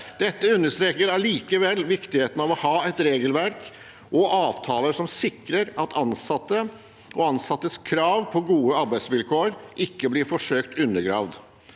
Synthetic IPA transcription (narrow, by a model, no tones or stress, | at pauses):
d̪̥ɛt̪ːəʉnːəʂt̪ɾeːkəɾæɭiːkəʋɛlːʋɪkt̪ɪheːt̪n̩ɑʋɔhɑːɛt̪ɾeːɡəlʋæɾk | ʔɔʔɑːʋt̪ʰɑːləʂɔmsɪkɾəɾɑt̪ʰɑnsɑt̪ːə | ɔɑnsɑt̪ːəskʰɾɑːʋpʰɔɡuːəɑɾbæɪsʋɪlkʰoːəɾʔɪkːəblɪɾfɔʂøːkt̪ʉnːəɾɡɾɑ̰ːʋd̪